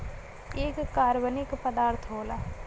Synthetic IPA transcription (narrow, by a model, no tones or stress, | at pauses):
eːkːaːɾbənɪkpəd̪aːɾt̪ʰɦoːlaː